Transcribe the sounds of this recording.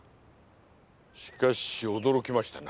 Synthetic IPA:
ɕi̥kaɕiod̪o̞ɾo̞kʲimaɕi̥t̪ana

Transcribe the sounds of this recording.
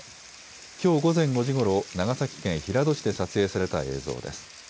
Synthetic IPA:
kʲo̞ːɡo̞zẽ̞ŋɡo̞ʑiɡo̞ɾo̞naɡasakʲi̥kẽ̞ɰ̃çiɾad̪o̞ɕi̥d̪e̞sat͡sɨe̞ːsaɾe̞t̪ae̞ːzo̞̰ːd̪e̞sɨ̥

